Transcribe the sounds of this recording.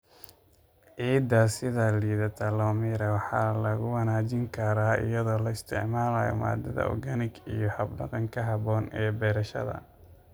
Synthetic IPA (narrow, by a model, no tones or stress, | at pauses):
ʕiːd̪ɐsɪðɐliːðɐt̪ʰɐlɔːmiːɾɐwɑħɑːlɐɣʊwɑnaːd͡ʒɪŋkʰɐɾaːɪ̰jɐðɔːlɐɪst̪ʰɛʕmaːlajɔ̰ma̰ːd̪ɐðɐ̰ɔ̰rɡɐnɪɡijɔhɐbnɐ̰ɣɐŋkʰɐɦɑβɔːnɛːbɛɾɐʃɐ̰ðɐ̰